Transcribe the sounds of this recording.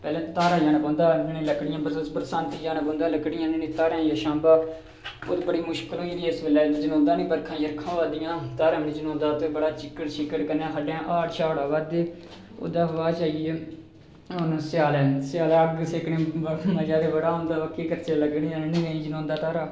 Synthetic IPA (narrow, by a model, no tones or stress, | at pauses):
pɛːlɛ̃ːt̪aːɾaːd͡ʒaːnaːpɔ̃ːnd̪aːnĩːləkɽɪjãːbpəɾsaːnt̪id͡ʒaːnaːpõːnd̪ãːləkːɽɪjãːnenĩːt̪aːɾãːjaːʃãːmbaː | oːt̪ːbəɽiːmʊʃkəloːiːd̪iːɪsʋeːlɛːd͡ʒənõːnd̪aːnĩːbəɾkʰãːjəɾkʰãːʋaːd̪ɪjãːt̪aːɾãːmnĩd͡ʒənõːnd̪aːt̪obəɽaːt͡ʃɪkːəʈt͡ʃɪkːəʈkənjãːkʰəɖãːʔaːʈʃaːoɽaːʋaːd̪eː | o̰ːd̪aːʋaːt͡ʃaːije | ʊnsjaːlɛːsɪjaːlɛːəɡseːkɳẽːbəməd͡ʒaːd̪eːʋəɾaːɦõːnd̪aːəkːeːkəɾt͡ʃeːləɡɽijãːnnɪ̃ãːĩːd͡ʒənõːnd̪aːt̪aːɾaː